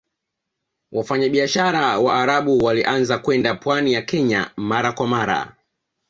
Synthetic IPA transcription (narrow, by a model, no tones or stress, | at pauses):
wafaɲaɓiaʃaɾawaːɾaɓuwaliʔanzakwɛndapwanijakɛɲa̰maɾakwamaɾa̰